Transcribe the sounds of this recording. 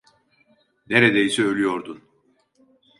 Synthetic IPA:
neɾed̪ejisɛølʲyjo̞ɾd̪un

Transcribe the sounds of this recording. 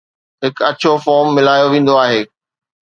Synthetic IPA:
ɦɪkɐt͡ɕʰofɔːɾmːɪlaːjoʋẽːn̆d̪oaːɦeː

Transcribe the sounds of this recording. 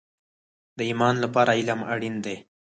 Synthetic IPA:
d̪əimɑnlapɑɾaɪlamaɽind̪e

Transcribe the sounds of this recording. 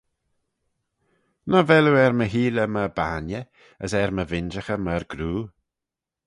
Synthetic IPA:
nɔvɛluɛɾməɦiːləməbaːnjə | əsɛɾməvɪnd͡ʒəxəməɾɡ̥ɾuː

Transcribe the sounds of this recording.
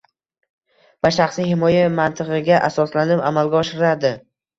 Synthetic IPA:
vaʃaχsijhɪmɒjamant̪ʰɨʁɨɡʲaʔasɒslanɪpamalɡʲaɒʃɪɾɪlad̪ɪ

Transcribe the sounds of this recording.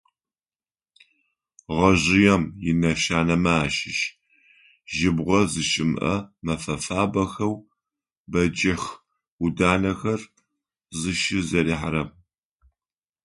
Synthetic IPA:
ʁɐʑɪjɛmjɪnɐʃaːnɐmaːʃɪʃ | ʒɪbʁʷɔzɨʃʼɪmʔɐ̰mɐfɐfaːbɐxɐw | bɐd͡ʒɐx | udaːnɐxɐr | zɨʃɪzɐɾiːħarɐm

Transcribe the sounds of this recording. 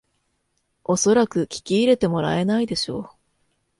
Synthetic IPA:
o̞so̞ɾakɯ̟kʲi̥kʲiːɾe̞t̪e̞mo̞ɾa̰e̞naid̪e̞ɕo̞̰ː

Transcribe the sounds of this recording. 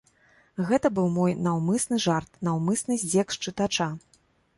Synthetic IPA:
ɣɛt̪ɐbɨwmɔjnawmɨsnɨʐart̪̚nawmɨsnɨzʲd͡zʲɛkʂt͡ʂɨt̪at͡ʂa

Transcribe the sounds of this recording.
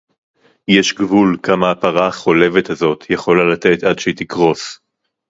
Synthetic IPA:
jeʃɡvulkamaːpaʁaχo̞le̞vet̪hazo̞t̪ʰjeχo̞lalat̪e̞t̪adʃet̪ikʁo̞s

